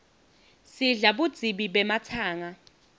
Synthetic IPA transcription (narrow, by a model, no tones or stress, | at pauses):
siɮaɓud̥d͡z̥ʱiɓiɓɛmatʰaːŋa